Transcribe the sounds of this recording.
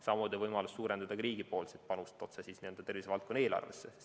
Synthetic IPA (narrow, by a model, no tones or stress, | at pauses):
sɑmud̪ivɤjmɑlusːuːɾend̪̥ɑd̪ɑkɾiːɡipo̞ːlsit̪̚pɑnust̪ˑo̞t̪sesiːsnie̞ld̪ɑt̪e̞rviseɑlt̪ko̞nːeːlɑ̰rvḛsːe